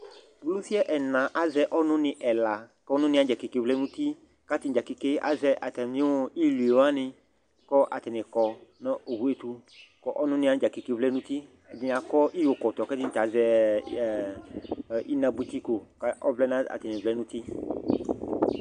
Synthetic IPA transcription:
ɡlu˦fi˦ɛ˦ʔɛ˨nã˨ʔa˨zɛ˦ʔɔ˦nʊ̃˦nɪ̃˨ʔɛ˨la˨kɛ˦nʊ̃˦nɪ̃˧˦a˨d͡ʒa˨ki˨ke˨vlɛ˦nũ˦t̪i˦ | ka˦t̪i˨n˨d͡ʒa˨ki˨ke˦ʔa̰˨zɛ˧ʔa˨t̪ɛ˨mĩ˦o˦i˦lu˨e˨wa˦nɪ̃˧ | kɔ˦ʔa˨t̪ɛ˨nɪ̃˨kɔ˨na˦o˨ɦu˦e˦t̪u˧kɔ˦ʔɔ˦nʊ̃˦nɪ̃˧˦ã˨˦d͡ʒa˨ki˨ke˧vlɛ˦nũ˦t̪i˦˨ | di˨˧˨a˨kɔ˦ʔi˦jo˨kɔ˨t̪ɔ˨kɛ˦t̪i˦n˨t̪a˨˦zɛ˦˨ | i˦nã˨bu˦t̪i˦ko˨ka˦ɔ˦vlɛ˦nã˦a̰˨t̪ɛ˨nɪ̃˨vlɛ˦nũ˦t̪i˦

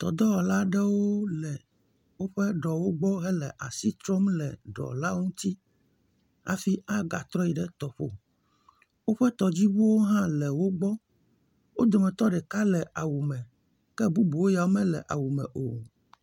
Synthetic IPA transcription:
t̪ɔ̰˨d̪ɔ˦ɔ˨la˦ɖɛ˦wo˦lɛ˨ | wo˦ɸɛ˦ɖɔ˨wo˦ɡ͡bɔ˦ɦɛ˦lɛ˨ʔa˨si˦t̪ɾɔ˦mlɛ˨ɖɔ̰˨la˦ŋũ˦t̪i˦ | a̰˨fi˦ʔa˦ɡa˨t̪ɾɔ˦ji˨ɖɛ˦t̪ɔ˨ɸo̰˨ | wo˦ɸɛ˦t̪ɔ˨d͡ʑi˦wu˦wo˦ɦã˦lɛ˨wo˦ɡ͡bɔ˦ | wo˦d̪o˨mɛ̃˨t̪ɔ˦ɖɛ˨ka˦lɛ˨ʔa˨wu˨mɛ̃˨ | kɛ˦bu˦bu˨wo˦ja˨wo˦mɛ̃˦lɛ̰˨ʔa˨wu˨mɛ̰̃˨ʔo˨

